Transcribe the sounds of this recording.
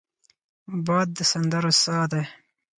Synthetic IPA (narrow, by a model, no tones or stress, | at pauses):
bɑːd̪̚ːəsand̪əɾosɑːd̪e